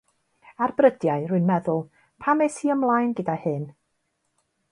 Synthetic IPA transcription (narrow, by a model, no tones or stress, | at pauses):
arbrədjaɨrʊɨnmɛðʊlˠ | pʰamesiːəmlˠajnɡədahɨn